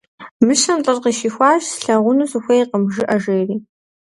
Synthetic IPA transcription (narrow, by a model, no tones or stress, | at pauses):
mɨʃɐmt͡ɬʼɨrqiʃiːxʷɑːʒsɬɐʁʷʊnuzɨxʷɐjiqəmʒɨʔɐʒeːriː